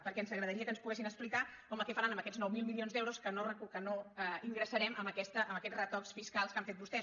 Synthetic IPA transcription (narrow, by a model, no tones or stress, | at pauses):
pəɾkɛnzəɣɾəðəɾiəkənspuɣɛsinəksplikakɔməlˠkɛfəɾanəmbəkɛd͡zznɔwmilˠmilionzd̪ɛwɾoskənorəkukənoəiŋɡɾəsəɾɛməmbəkɛst̪əʔəməkɛd͡zrət̪ɔksfiskalˠskaɱfet̪bust̪ɛ